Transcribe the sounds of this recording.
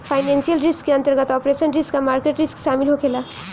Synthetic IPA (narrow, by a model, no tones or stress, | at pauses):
pʰaɪnẽnsijəlɾiskːeənt̪əɾɡət̪ɔpɾesənɾiskːamaːɾkeʈɾiskʃaːmilɦokʰela